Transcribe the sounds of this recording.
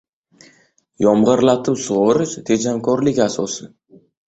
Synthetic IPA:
jɒmʁɨɾlat̪ʰɪpsʊʁʊɾɪʃt̪ʰe̞d͡ʒamkʰɒɾlɪkʲasɒsɪ

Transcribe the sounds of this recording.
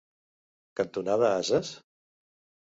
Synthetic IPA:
kənt̪unaðəazəs

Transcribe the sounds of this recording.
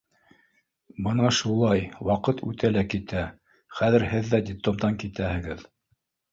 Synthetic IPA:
bɤnɑʃulˠɑjwɑqɤt̪ʰʉ̰t̪ælækit̪æ | χæðɘɾhɘðːædʲɪplt̪ˠomd̪ɑŋkit̪æhɘ̆ɡɘð

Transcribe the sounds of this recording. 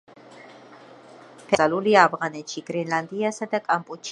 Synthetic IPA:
pʰɛaluliaːvʁanɛt̪ʃiɡ̥ɾɛnland̪iasad̪akʼampʼut̪t͡ʃ

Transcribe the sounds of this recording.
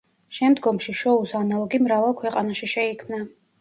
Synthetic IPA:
ʃɛmd̪ɡɔmʃiʃɔusanalˠɔɡimɾavalˠkʰwɛqʼanaʃiʃɛikʰmna

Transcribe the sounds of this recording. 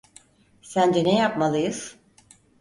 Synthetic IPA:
sænd͡ʒɛnejapmalˠɯjɯz̥

